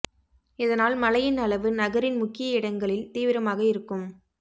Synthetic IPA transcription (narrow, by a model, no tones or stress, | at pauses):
ɪðɐnaːlmɐlɐjɪnɐlɐʋɯnɐɣɐɾɪnmʊkːɪjɐɪɽɐŋɡɐɭɪlt̪iːʋɪɾɐmaːɣɐɪɾɯkːɯm